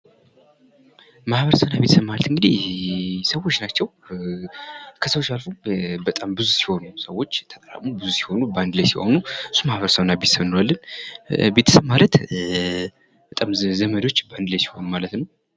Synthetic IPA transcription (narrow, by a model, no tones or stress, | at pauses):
mahβəɾsəwnabet̪səmːalət̪ɨŋɡɨd̪i | səwːo̞t͡ʃːnat͡ʃːɛw | kʰəsəwot͡ʃalfubət̪ʼambɨzusi̥ho̞nusəwːo̞t͡ʃːt̪ʰət̪ʼəɾa̰mubɨzusi̥ho̞nuband̪ɨləjsiho̞̰nuɨsːumahβəɾsəwnabet̪səmnwalːɨnbe̞t̪ʰə̥səβmalət̪ | b̥ət̪ʼamzəmədot͡ʃːband̪ɨləjsi̥ho̞numalət̪nəw